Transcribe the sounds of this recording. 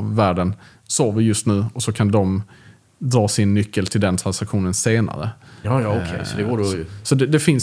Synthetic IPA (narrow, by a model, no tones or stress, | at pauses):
vːæːɖən | soɾvəɾjɵst̪nʉ̟ːɔsɔkʰand̪ɔm | d̪ɾɑːsɪnːʏkːəlt̪ʰɪld̪ɛnt̪ʰɾansakɧuːnənseːna̰ɾə̰jɑsɔd̪ɛɡoːɖɛsɔd̪ɛd̪ɛfɪns